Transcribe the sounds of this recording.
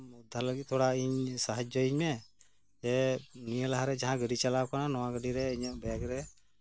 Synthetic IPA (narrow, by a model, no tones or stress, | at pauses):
ud̪ʱːaləɡit̪̚t̪ʰɔɽaiɲsaɦad͡ʒd͡ʒɔiɲmɛ | d͡ʒɛmijəlaɦaɾɛd͡ʒaɦãɡəɖit͡ʃalawkananɔwaɡəɖiɾɛiɲɔʔbɛaɡɾɛ